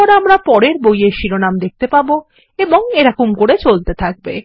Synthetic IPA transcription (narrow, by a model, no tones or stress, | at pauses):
ɔɾeamɾapɔɾeɾbojeɾʃiɾonamd̪ek̚t̪epabo | eboŋeɾakumkoɽet͡ɕolt̪et̪ʰak̚be